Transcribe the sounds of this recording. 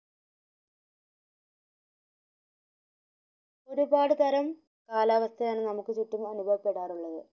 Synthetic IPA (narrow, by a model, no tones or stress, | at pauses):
o̞ɾubaːɽɨt̪ɐɾɐm | kaːlaːʋɐst̪ʰɐjaːɳɨnɐmukːɨt͡ɕuʈːimɐnubʱɐʋɐpːe̞ɽaːruɭːɐðɨ